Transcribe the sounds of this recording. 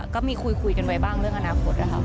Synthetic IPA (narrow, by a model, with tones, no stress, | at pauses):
ka˧˥˩miː˧kʰu˧˩jkʰu˧˩jka˧nwa˧˥jbaː˥˩ŋɾɯ˥˩əŋʔa˧naː˧kʰo˧˦˥t̪̚la˧˦kʰa˧˩